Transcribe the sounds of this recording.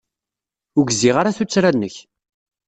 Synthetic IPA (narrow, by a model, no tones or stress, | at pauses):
ʊɡziʁaɾaθut͡sːɾanːəç